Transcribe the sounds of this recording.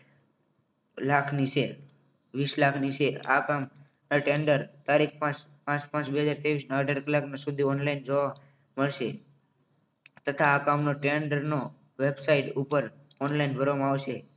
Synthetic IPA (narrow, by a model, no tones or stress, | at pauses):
lakʰniseɾ | ʋislakʰniseɾa̰kam | naʈeɳɖəɾt̪aɾik̚ʰpãt͡ʃ | pãt͡ʃpãt͡ʃbeɦəd͡ʒaɾt̪eʋisnaəɖʱaɾkəlaknasud̪ʱiɔnlaind͡ʒoʋa | məɭʃe | t̪ət̪ʰaːkamnoʈeɳɖəɾno | ʋebsaiʈupəɾ | ɔnlainbʱəɾʋamãaʋʃe